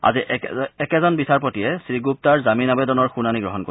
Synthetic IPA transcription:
a̰ziʔɛkɛzɔnbisaɹpotijɛsɹiɡup̚taɹzaminabɛdɔnɔɹxunaniɡɹɔɦɔnko

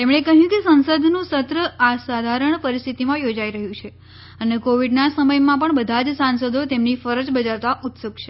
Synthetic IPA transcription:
t̪emɳekəɦjũkesənsəd̪ʱnũsət̪ɾəasad̪ʱaɾəɳpəɾist̪ʰit̪imãjod͡ʒaiɾəɦjũt͡ʃʰe | ənekoʋiɖnasəməjmãpəɳbəd̪ʱad͡ʒsansəd̪ʱot̪emnifəɾəd͡ʒbəd͡ʒaɾt̪aʔut̪sukt͡ʃʰe

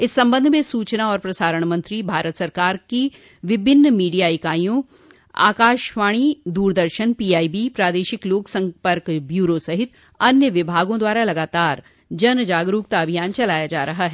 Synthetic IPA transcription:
ɪsːɐ̃mbə̃nd̪ʱmẽsuːt͡ʃnaɔːɾpɾɐsaːɾəɽ̃mɐ̃nt̪ɾibʱaːɾət̪sɐɾkaːɾki | ʋɪbʱɪnːmiːɖijaːɪkaːjõ | a̰ːkaːʃʋaːɽ̃id̪uːɾd̪əɾʃənpiːaːibipɾaːd̪eːʃɪkloːksɐ̃mpəɾkbjuːɾosɐɦɪt̪ | ɐnjəʋɪbʱaːɡõd̪waːɾalɐɡaːt̪aːɾ | d͡ʒɐnd͡ʒaːɡɾuːk̚t̪aɐbʱijaːnt͡ʃɐlaːjad͡ʒaːɾɐɦaɦɛː

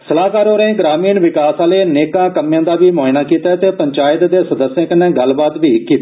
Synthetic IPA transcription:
səlaːkaːɾoːɾẽẽːɡɾaːmiːnʋɪkaːsaːleːneːkãːkəmjãːd̪aːʋiːmoːɪnaːkiːt̪aːt̪eːpəɲt͡ʃaːɪt̪d̪eːsəd̪əsjãːkənẽːɡəlbaːd̪ʋiːkiːt̪ː

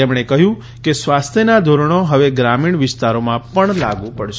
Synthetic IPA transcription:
emɳ̃ekəɦjũ | kesʋast̪ʰjənad̪ʱoɾəɳ̃oɦəʋeɡɾamiɳʋɪst̪aɾomãpəɳla̰ɡũpəɽʃe

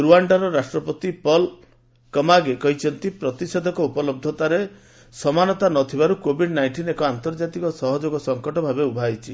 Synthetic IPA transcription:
ɾuaɳɖaɾɔɾasʈɾɔpɔt̪ipɔl | kɔmaɡekɔɦit͡ʃʰɔnt̪ipɾɔt̪ised̪ʱɔkɔupɔlɔb̚d̪ʱɔt̪aɾe | sɔmanɔt̪anɔt̪ʰibaɾukobʱiɖnajɳʈinekɔant̪ɔɾd͡ʒat̪ikɔsɔɦɔd͡ʒoɡɔsɔŋkɔʈɔbʱabeubʱajt͡ʃʰi

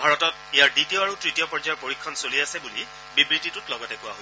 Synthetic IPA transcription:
bʱaɹɔtɔt̚ejaɹditijɔaɹutɹitiɔpɔɹd͡ʒaaɹpoɹikʰːɔnsoliasɛbuli | bibɹititʊtlɔɡɔtɛkʊwaɦo

